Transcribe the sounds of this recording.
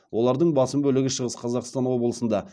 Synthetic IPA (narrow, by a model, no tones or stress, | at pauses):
wo̞lˠɑɾd̪əɴbɑsəmbɵlɪɡʲɪʃəʁəsqʰɑzɑqst̪ɑnwo̞bəlˠəsənd̪ɑ